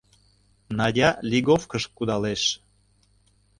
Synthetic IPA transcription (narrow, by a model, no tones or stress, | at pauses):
nɑdʲɑlʲiɣofkəʃkud̪ɑleʃ